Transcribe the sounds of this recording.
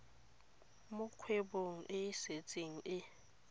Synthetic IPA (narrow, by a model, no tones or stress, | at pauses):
mʊkʰweɓoŋ̩ʔɪset͡sʼiŋ̩ɪ